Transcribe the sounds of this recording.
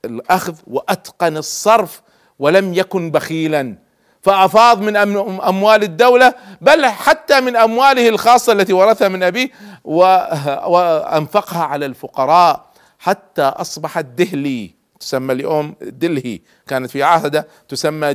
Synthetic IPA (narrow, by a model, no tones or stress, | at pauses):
ɪlʔaxðwɪʔat̪qɑnɨsˤːɑɾˤf | wɪlamjakʊnbaxiːlan | faʔɑfɑːðˤmɪnʔʔamwaːlɪd̪ːawlabalħat̪ːamɪnʔamwaːlɪhɪlxɑːsˤːɑʔlːat̪iwɑɾˤɑθhamɪnʔabiːwɪ | ʔa̰nfɑqhaʕalalfʊqɑɾˤɑːʔ | ħat̪ːaʔɑsˤbɑħat̪̚d̪ɪhli | t̪ʊ̥samːalɪjʔoːmd̪ɪlhḭ | kaːnat̪fiʕahd̪a | t̪ʊsamːa